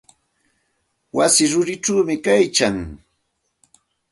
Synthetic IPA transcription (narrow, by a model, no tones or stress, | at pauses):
wasɪɾʊɾɪʈ͡ʂuːmɪkajkaŋ